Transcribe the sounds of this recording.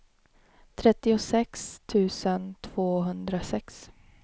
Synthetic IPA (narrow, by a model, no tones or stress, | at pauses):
t̪ʰɾɛt̪ːɪʊsɛkst̪ʰʉ̟ːsənt̪ʰv̥oːɦɵnd̪ɾasɛks